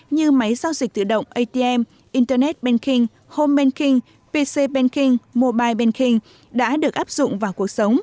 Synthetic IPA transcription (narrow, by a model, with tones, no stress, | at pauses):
ɲɨ˧ma˨˦jzaː˧wzi˨˩t̪ɨ̰˧˨ɗə̰˧˨wŋ͡mʔə˧jt̪e˧ʔɛ˧m | ʔi˧nt̪ə˧nɛ˦˥t̚ɓɛ˧nkï˧ŋ | ho˧mɓɛ˧nkï˧ŋ | pe˧se˧ɓɛ˧nki˧ŋmo˧ɓaː˧jɓɛ˧nkï˧ŋ | ɗa̰ː˧˥ɗɨ˨˩ək̚ʔaː˦˥p̚z̥ʊ̰˧˨ŋ͡mvaː˨˩wku˨˩ək̚sə˨˦wŋ͡m